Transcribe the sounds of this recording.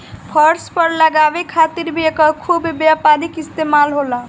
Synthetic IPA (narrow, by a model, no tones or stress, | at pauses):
pʰəɾspəɾləɡabekʰat̪iɾbʱiekəkʰubbjapaɾikist̪emalɦola